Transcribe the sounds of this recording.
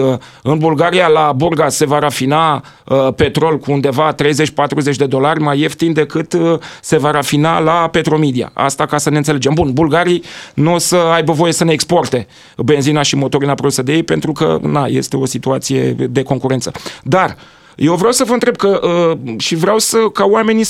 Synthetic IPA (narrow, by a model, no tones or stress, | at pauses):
ɨnbulɡaɾijalaburɡase̞vaɾafina | əpe̞t̪ɾo̞lkuːnd̪e̞vat̪ɾe̞jze̞t͡ʃpat̪ɾuze̞t͡ʃʲd̪e̞d̪o̞larʲmaje̞ft̪ind̪e̞kɨt̪əse̞vaɾafinalape̞t̪ɾo̞med̪ia̰a̰st̪akasəne̞ɨnsele̞d͡ʒembunbulɡaɾinusəajbəvo̞je̞səne̞ːkspo̞rt̪e̞ | be̞nzinaʃimo̞t̪o̞ɾinapɾod̪usəd̪ejejpe̞nt̪ɾukə̰naje̞̰st̪e̞o̞sit̪uat̪sije̞̰d̪e̞ko̞ŋkuɾe̞nt̪səd̪ar | je̞wvɾeawsəvəɨnt̪ɾe̞b̚kəʔəʃivɾeawsəkawame̞ni